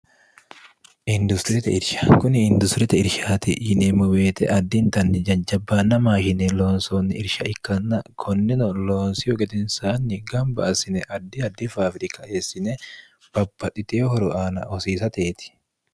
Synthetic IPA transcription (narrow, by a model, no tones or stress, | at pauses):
ʔɪnd̪ʊst̪ɾɪt̪ɛ̰ɪɾʃɐ̥kʊnɪɪnd̪ʊst̪ɾɪt̪ɛɪɾʃaːt̪ɪhɪnɛmʊweːt̪ɛ̰ʔɐd̪ːɪnt̪ɐnːɪd͡ʒɐnd͡ʒɐbːanːɐmaːʃɪnɛloːnsoːnːɪɪɾʃɐɪkːɐnːɐkʰɔnːɪnɔloːnsɪjɔkʼɛt̪ɪnsaːnːɪɡɐmbɐ̰ɐsɪnɛʔɐd̪ːɪɐd̪ːɪfaːfɾɪkɐeːsːɪnɛ | b̥ɐbːɐt̪ʼɪt̪ehɔɾʊʔaːnɐ̰ɔsiːs̬ɐt̪eːt̪ɪ̥